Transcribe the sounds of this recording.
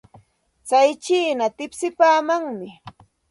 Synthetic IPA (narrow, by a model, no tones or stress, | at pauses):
t͡sajt͡ʃiːnat̪ɪpsɪpaːmaŋmɪ